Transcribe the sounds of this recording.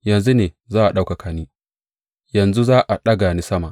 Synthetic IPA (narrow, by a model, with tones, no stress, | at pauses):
jɐ˨nzu˦neː˨ | zaː˦ʔa˨ɗa˦wka˨kʰaː˨niː˦ | jɐ˨nzu˦zaː˦ʔa˨ɗɐ˦ɡa˨ni˦sɐ˦ma˨